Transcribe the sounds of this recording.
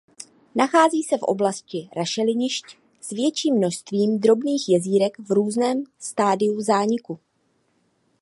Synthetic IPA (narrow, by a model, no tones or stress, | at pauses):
naxaːziːsɛfʔo̞̰blascɪɾaʃɛlɪɲɪʃc | svjɛt͡ʃiːmːno̞ʃst̪viːmd̪ɾo̞bniːxjɛziːɾɛkvɾuːznɛːmst̪aːdɪuzaːɲɪku